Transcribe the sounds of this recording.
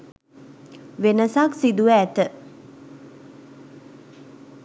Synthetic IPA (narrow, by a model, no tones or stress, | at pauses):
ʋenəsaksid̪uʋəːt̪ə